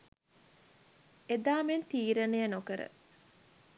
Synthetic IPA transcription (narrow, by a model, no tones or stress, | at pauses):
ed̪aːment̪iːɾɐnejənokəɾə̰